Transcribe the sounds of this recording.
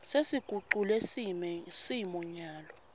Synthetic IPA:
sesiɡ̥ʱuǃulɛsisiimɔɲaːlɔ

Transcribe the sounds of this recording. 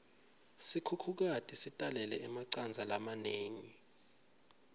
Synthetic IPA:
sikʰukʰuk̬atʼisitʼalɛlɛɛmaǀand͡zʱalamaneːŋi

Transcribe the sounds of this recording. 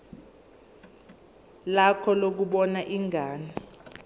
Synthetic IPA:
lakʰɔlok̬uɓɔnaʔiŋaːni

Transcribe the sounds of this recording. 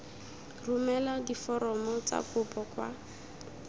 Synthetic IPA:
rʊmɛladifɔɾɔmɔt͡sa̰kʰʼʊpʼɔkʼwa̰

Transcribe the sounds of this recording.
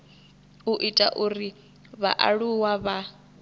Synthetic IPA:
uʔitʼa̰ʔuri | βa̰ʔa̰ɺuwaβa

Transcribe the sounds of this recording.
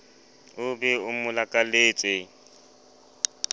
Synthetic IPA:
ʊbɛʊmʊlakʼaleːt͡sʼɪ

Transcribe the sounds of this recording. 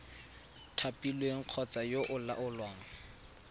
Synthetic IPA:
tʰapʼilweŋ̩q͡χʰɔt͡sajoʔʊla̰ʔʊlwaːŋ̩

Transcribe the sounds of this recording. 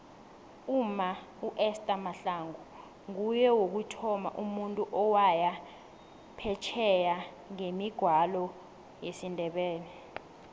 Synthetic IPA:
uma | uʔɛstʼamaɬaŋu | ŋujɛwok̬utʰɔma̰ʔumuntʼuʔɔwaja | pʰɛt͡ʃʰɛja | ŋemiɡ̥ʱwalɔ | jesindʱɛɓɛːnɛ

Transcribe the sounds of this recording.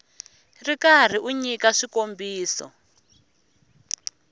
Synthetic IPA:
rikar̤iʔuɲikaʂikombiːsɔ̰

